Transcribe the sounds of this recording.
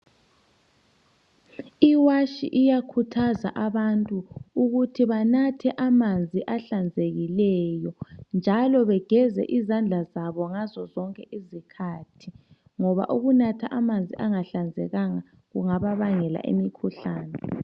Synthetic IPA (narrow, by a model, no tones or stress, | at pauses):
iwaʃḭʔijakʰutʰaza̰ʔaβantʼuuɣutʰiβanatʰɛʔamand͡zʱiʔaɬand͡zʱeɣilɛjɔnd͡ʒʱalɔβɛɡ̥ʱɛzɛ̰ʔizand͡ɮʱazaβɔŋazɔzɔŋkʼɛʔizikʰaːtʰi | ŋɔβa̰ʔuɣunatʰaʔamand͡zʱiʔaŋaɬand͡zʱɛ̰ɣaŋa | ɣuŋaβaβaŋɛla̰ʔḛmikʰuɬaːnɛ